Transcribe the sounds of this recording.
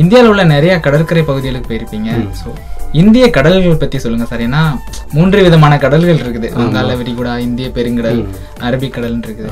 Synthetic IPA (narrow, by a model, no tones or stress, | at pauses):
ɪnd̪ɪjaːlɐʋɯlːɐnɪɾɐjakɐɽɐɾkɐɾɐɪpɐɣɯðɪɣɐɭɯkːɯ̥pojɪɾɯpːiːŋɡɐsoːɪnd̪ɪjɐkɐɽɐlɣpɐt̪ːisɔlːɯŋɡɐsaːɾeːnːaː | muːndrɯʋɪðɐmaːnɐkɐɽɐlɣɐɭɪɾɯkːɯðɯʋɐŋɡaːlɐʋɪɾɪkuːɽaːɪnd̪ɪjɐpɛɾɯŋɡɐɽɐl | ɐɾɐbɪkːɐɽɐlnɪɾɯkːɯðɯ